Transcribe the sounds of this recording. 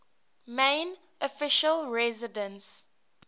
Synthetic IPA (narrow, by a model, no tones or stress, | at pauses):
mẽn | ɔfɪʃəlɹɛzɪdə̃ns